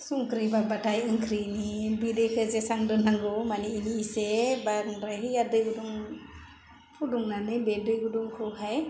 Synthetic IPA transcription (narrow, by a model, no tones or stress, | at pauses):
suŋkʰɾibabatʰajɯŋkʰɾinibidekʰɯzesaŋdɯnaŋɡɯmaniːnisebaɯŋdɾajɦɯadɯjɡuduŋ | pʰuduŋnanɯbedɯjɡuduŋkʰɯɦaj